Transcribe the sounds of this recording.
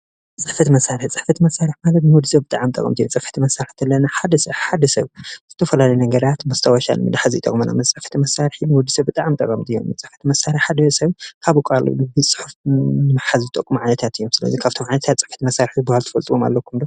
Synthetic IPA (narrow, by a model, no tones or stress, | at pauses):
t͡sʼɨħfɐt̪imɐsːaɾħit͡sʼɨ̥ħfɐt̪ʰimɐsːaɾɨħmalɐt̪nɨwɔd̪isɐbɨt̪ʼaʕmt̪ʼɐ̰kʼɐ̰mt̪ɨijot͡sʼɨfɐ̥t̪imɐsːaɾɨħt̪ʰɐlːɐnaħad̪ɐsɐħad̪ɐsɐβz̥ɨt̪ʰɐfɐlalɐjnɐɡɐɾat̪mɐst̪ʰɐwɐʃa̰lmɨ̰d̪ħazit̪ʼɐ̰kʼmɐna̰mɐt͡sʼɨħfɐ̥t̪ʰimɐsaɾħinɨwɔd̪isɐβbɨt̪ʼaʕmt̪ʼɐ̰kʼɐmt̪ʰijːommɨt͡sʼːɨħfɐ̥t̪ʰimɐsaɾɨħħad̪ɐsɐβkʰaβukʼal̰ɨbɨsʼɨ̥ħufnɨmɐħazt̪ʼɐkʼːumʕajnɐt̪ʰat̪ʰɨjːomsɨlɐ̰zikʰaβt̪ʰomʕajnɐt̪ʰat̪t͡sʼɨ̥ħfɐ̥t̪imɐsːaɾħibuhalt̪ʰɨ̥fɐlt̪ʼɨwoma̰lːɐkʰumd̪o